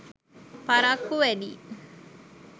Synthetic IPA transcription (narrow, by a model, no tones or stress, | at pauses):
paɾakːuʋɛd̪ḭː